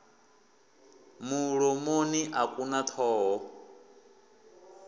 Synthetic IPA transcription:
muɺɔmoniʔakʼunat̪ʰɔːɦɔ

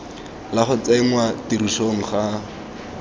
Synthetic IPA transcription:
laχʊt͡saiŋwatiɾuʃoŋ̩χa

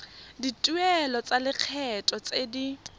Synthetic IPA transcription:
ditʼuɛlɔt͡sʼalɪq͡χʰɛtʼɔt͡sʼedi

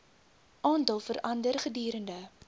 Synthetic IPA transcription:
ʔɑːndəlˠfəɾʔɐndərχədyːɾəndə

